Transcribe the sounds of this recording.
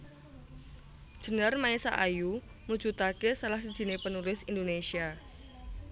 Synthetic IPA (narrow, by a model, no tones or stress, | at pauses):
ʒ̥ə̤nərmaesa̰ʔaju | mu̥d͡ʒut̪akesalahsi̥ʒ̥i̤nepənulɪsindonesia